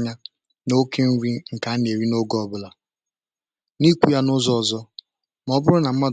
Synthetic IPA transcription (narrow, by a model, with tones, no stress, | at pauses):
ɲa˦ | no˦ke˦ŋ̩˦wʷi˦ŋ̩˨ka˦n˨e˨ɾi˦no˦ɡɔ˨bʊ˦˨la˨ | ni˦kʷu˦ja˦nʊ˦zɔ˦ɔ˨zɔ˦ | m˨ɔ˦bʊ˦ɾʊ˦na˨m̩˦ma˦d